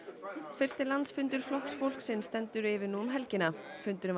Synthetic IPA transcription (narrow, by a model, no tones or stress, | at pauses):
fɪr̥st̪ɪlant̪sfʏnt̪̬ʏɾ̥flɔhksfowl̥ksɪnːst̪ɛnt̪ʏɾɪvɪnuːmɦɛlcɪnafʏnt̪ʏɾʏm